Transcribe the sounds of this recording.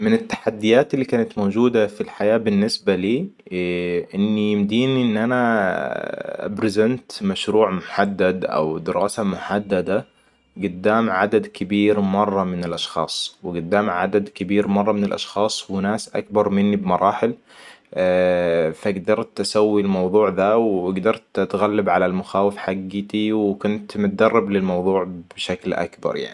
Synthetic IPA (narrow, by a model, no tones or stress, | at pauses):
mɪnɪt̪ːḁħad̪ːɪjaːt̪ɪlːiːkaːnat̪mowd͡ʒuːd̪afilħajaːbɪnːɪsbaliː | ʔɪnːijɪmd̪iːniʔɪnːʔana | ʔa̰bɾɪzent̪maʃɾuːʕmʊħad̪ːad̪ʔa̰wd̪ɪɾɑːsamʊħad̪ːad̪a | ɡʊd̪ːaːmʕad̪ad̪kɪbiːɾmɑrˤːɑmɪnɪlʔɑʃxɑ̰ːsˤwɪɡʊd̪ːaːmʕa̰d̪ad̪kɪbiːɾmɑrˤːɑmɪnɪlʔɑ̰ʃxɑːsˤwɪnaːsʔa̰k̚bɑɾˤmɪnːibmɑɾˤʔɑːħɪl | faɡd̪ɑɾˤt̪ʔasawːilmɑwðˤuːʕðawɡd̪ɑɾˤt̪ʔat̪ɣalːabʕalalmʊxaːwɪfħaɡːɪt̪iwɪkʊnt̪mʊt̪ad̪ɑrˤːɑblɪlmɑwðˤuːʕb̥ʃaklʔa̰kbɑ̰ɾˤja̰ʕni